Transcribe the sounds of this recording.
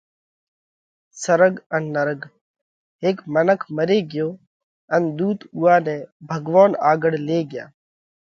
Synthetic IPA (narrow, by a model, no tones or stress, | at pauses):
səɾəɡənːəɾəɡ | ɦeːkmənəkʰməɾeːɡɪjoː | ənd̪uːt̪uːaːnẽːbʱəɡʋaːnaːɡəɽ̤leːɡɪja̰ː